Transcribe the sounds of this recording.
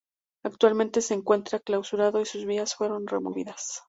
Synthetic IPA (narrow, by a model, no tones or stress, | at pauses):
ak̚t̪walmẽnt̪e̞se̞ːŋkwe̞nt̪ɾaklawsuɾaðo̞isuzβiasfwe̞ɾo̞nre̞̰mo̞βiðas